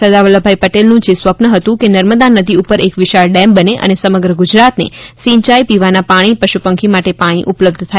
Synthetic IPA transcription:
səd̪aʋələbʱajpəʈelnũd͡ʒesʋəpnəɦət̪ũkenəɾməd̪anəd̪iupəɾekʋɪʃaɭɖɛmbəneʔə̰nesəməɡɾəɡʊd͡ʒɾat̪nḛsĩɲt͡ʃajpiʋanapaɽ̃ipəʃupəŋkʰimaʈepaɽ̃iʔʊpləb̚d̪ʱt̪ʰa

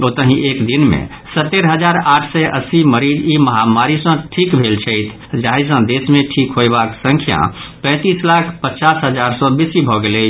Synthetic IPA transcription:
ot̪əɦĩʔekd̪inmḛ̃ | sət̪ːeɾɦəd͡ʒaɾaːʈʰsɛʔə̰siməɾid͡ʒiməɦamaɾisə̃ʈʰikbʱelt͡ʃʰəɪt̪ʰ | d͡ʒaɦis̬ə̃d̪esmẽʈʰikɦoebaksə̃ŋkʰja̰pɛ̃ːt̪iːslakʰpət͡ʃaːsɦəd͡ʒaɾsɔ̃bisibʱɔɡele

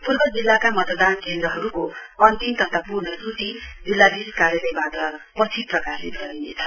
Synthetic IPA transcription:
purbʌd͡zilːakamʌt̪d̪ankend̪ɾʌɦʌɾukoʌnt̪imt̪ʌt̪ʰapurnʌsut̪id͡zilːad̪iskaɾjʌlʌjbat̪ʌpʌt͡sʰiprʌkaslḛt̪ɡʌinḛt͡sʰʌ̥

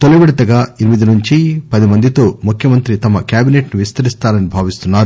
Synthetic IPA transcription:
t̪olɐʋiɽɐt̪ɐɡaːiɾimid̪inuɲt͡ʃipɐd̪imɐnd̪it̪o̞ːmukʰjɐmɐnt̪ɾit̪ɐmɐkjaːbine̞ːʈnuʋist̪ɐɾist̪aːnɐnibʱaːʋist̪unːaːɾu

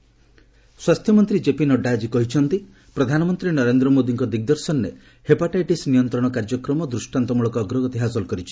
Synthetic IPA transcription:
swast̪ʰjɔmɔnt̪ɾid͡ʒepinɔɖːad͡ʒikɔɦit͡ʃʰɔnt̪i | pɾɔd̪ʱanɔmɔnt̪ɾinɔɾend̪ɾɔmod̪iŋkɔd̪iɡ̚d̪ɔɾsɔnːe | hepaʈajʈisnijɔnt̪ɾɔɽ̃ɔkaɾd͡ʒɔkɾɔmɔd̪ɾusʈant̪ɔmuɭɔkɔːɡɾɔɡɔet̪iɦasɔlkɔɾit͡ʃʰi̥

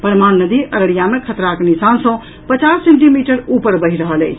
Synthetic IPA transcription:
pɾəmaɽnəd̪iʔəɾəɽijamekʰət̪ɾakenisansə̃ | pət͡ʃasːeɳʈimiʈəɾupəɾbəɦiɾəɦəlɛ̰t͡ʃʰ

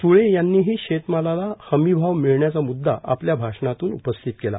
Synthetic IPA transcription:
t̪uɭejanːiːɦiːɕet̪malalahəmibʱaʋmiɭɳjat͡samud̪ːa̰ʔa̰pljabʱaʂɳat̪uːnṵpəst̪ʰit̪kela̰

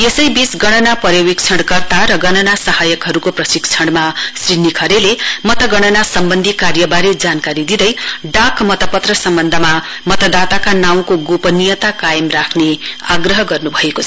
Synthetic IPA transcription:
esʌjbisɡʌɽ̃ʌnapʌɾjʌwik̚t͡sʰʌɽɡʌrt̪aɾʌɡʌnʌnasʌhajʌkɦʌɾukoprʌsik̚t͡sʰʌɽmasrinikʰʌɾelemʌt̪ʌɡʌɽ̃ʌnasʌmbʌnd̪ʱikarjʌbaɾid͡zankaɾid̪id̪ʌjɖakmʌt̪ʌpʌt̪rʌsʌmbʌnd̪ʱʌma | mʌt̪ʌd̪at̪akanaw̃koɡupʌnijʌt̪akajʌmrakʰneaɡrʌɦʌɡʌrnubʱʌekot͡sʰʌ

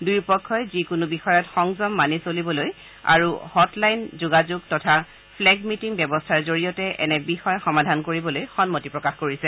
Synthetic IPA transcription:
dujpɔkʰːɔjzikunubixɔjɔtxɔŋzɔmːanisolibɔloj | a̰ɹuhɔtlajnzuɡazuɡtɔtʰa | pʰlɛɡmitiŋbjɛbɔstʰaɹzoɹijɔtɛʔɛ̰nɛbixɔjxɔmadʱankoɹibɔlojxɔnmotipɹɔkaxkoɹisɛ

